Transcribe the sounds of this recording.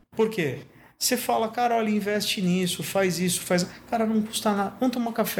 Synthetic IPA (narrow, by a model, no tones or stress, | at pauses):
poɾke | sefalɐkaɾɐɔlʲɐĩvɛst͡ʃɪnisʊfajzisʊ̥fajzakaɾɐnɐ̃w̃kust̪anad̪ɐnɐ̃w̃t̪õmɐkafɛ